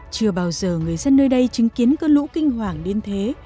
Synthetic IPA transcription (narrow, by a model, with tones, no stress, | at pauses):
t͡ɕɨ˨˩əɓaː˨˩wzəː˨˩ŋɨ˨˩əjzə˧nːəː˧jɗə˧jt͡ɕï˨˦ŋki˨˦ənkəː˧nlṵ˧˥kï˧ŋ̟ɦwaː˨˩ŋɗe˧nt̪ʰe˨˦